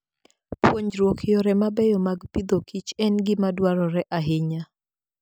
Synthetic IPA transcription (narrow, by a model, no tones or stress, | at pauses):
pwoɲd͡ʒɾwokʰɪjɔɾɛmabɛjɔmaɡpid̪okit͡ʃɛnɡɪmadwaɾɔɾɛʔaɦɪɲa